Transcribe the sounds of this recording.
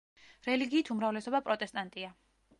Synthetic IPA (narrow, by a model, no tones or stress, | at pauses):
ɾɛliɡiːt̪ʰumɾavlɛsɔbapʼɾɔt̪ʼɛst̪ʼant̪ʼia